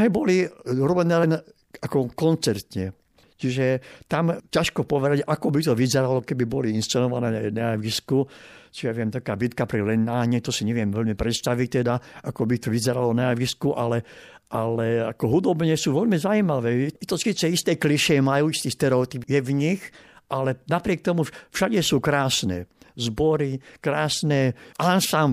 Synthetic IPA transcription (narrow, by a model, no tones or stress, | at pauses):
ɦɛːbɔliɾɔbɛnɛːlɛn | akɔkɔnt͡sɛɾt̪ɲɛ | t͡ʃiʒɛt̪amcaʃkɔpɔʋɛd̪aɟakɔbit̪ɔʋizɛɾalɔkɛbibɔliinst͡sɛnɔʋanɛːɛnaaʋiskut͡ʃiʒɛʋɪɛmt̪akaːbit̪kapɾilɛnːaːɲɛt̪ɔsiɲɛʋɪɛmʋɛʎmipɾɛt̪st̪aʋic̚t̪ɛd̪aakɔbit̪ɔʋizɛɾalɔnaaʋiskuʔalɛ | ʔalɛakɔɦud̪ɔbɲɛsuːʋɛʎmizaimaʋɛːɛt̪ɔsiːt͡sɛist̪ɛkliʃɛmajuːist̪iːst̪ɛɾɛɔt̪ipjɛvɲixʔalɛnapɾɪɛk̚t̪ɔmufʃaɟɛsuːkɾaːsnɛ̰ːzbɔɾikɾaːsnɛʔansam